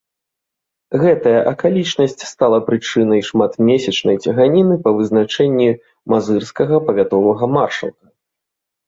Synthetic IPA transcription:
ɣɛt̪ɐjɐʔɐkalʲit͡ʂnɐsʲt͡sʲst̪alˠɐpɾɨt͡ʂɨnɐjʂmat̪mʲesʲɐt͡ʂnɐjt͡sʲɐɣanʲinɨpɐvɨzn̪at͡ʂɛnʲːi | mazɨrskɐɣɐpɐvʲat̪ɔvɐɣɐmarʂɐ̰lˠkɐ

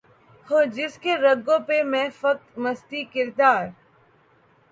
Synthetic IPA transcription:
hoːd͡ʒɪskeɾəɡõːpemɛ̃ːfək̚t̪məst̪iːkɪɾd̪aːɾ

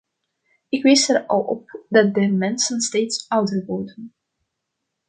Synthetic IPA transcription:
ɪkʋɪsərɑ̰lˠɔ̰p̚dɑt̚dəmɛnsənsteːtsʌwdərʋordən

